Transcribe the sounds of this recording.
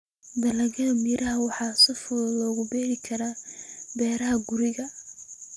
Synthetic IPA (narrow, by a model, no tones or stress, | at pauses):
d̪ɐlɐɣɐðmiɾʔɐɦɐwɑħɑːsɐfʊðlɔːɣʊbɛːhɪkʰɐɾaːbɛːɾɐɦɐɡʊɾɪɣɐ